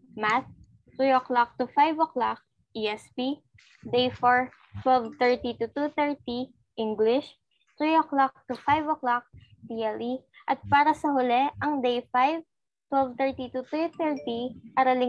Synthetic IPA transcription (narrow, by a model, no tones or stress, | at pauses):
mat̪̚ː | ɾioklak̚t̪ʊfajvoklak̚ | ʔiʔɛspi | d̪ejfoɹ | t̪wɛlvt̪ɛɹt̪it̪ʊt̪ut̪ɛɹt̪i | ʔiŋɡlɪʃ | t̪ɾioklak̚t̪ufajvoklak̚ | d̪iɐliʔɐt̪̚paːɾɐsɐhʊlɛʔɐŋd̪ejfajv | t̪wɛlvt̪ɛɹt̪it̪ʊt̪ɾit̪ɛɹt̪iʔɐɾɐlɪ